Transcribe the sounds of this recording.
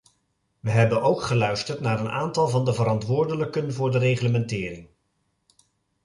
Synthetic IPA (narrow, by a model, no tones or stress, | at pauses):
ʋəɦɛbənʔowkχəlœɥstəɹtnaːɾənʔaːntɑlˠvɑndəvəɾɑntʋʊːɹdələkənvʊːɹdərejχləmɛntɪːɾɪŋ